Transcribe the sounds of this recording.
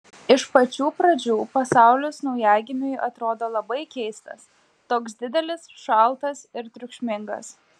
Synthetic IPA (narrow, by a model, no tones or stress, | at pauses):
ɪʃpɐt͡ʃʲuːpɾɐd͡ʒʲuːpɐsɑˑʊlʲʊːsnɐʊjæːɡʲɪmʲʊjʔɐt̪ɾoːd̪oːlˠɐbɐɪkʲɛɪst̪ɐ̰s | t̪oːksd̪ʲɪd̪ʲɛlʲɪsʃɐlˠˑt̪ɐsɪɾt̪ʲɾʲʊkʃʲmʲɪŋɡɐ̰s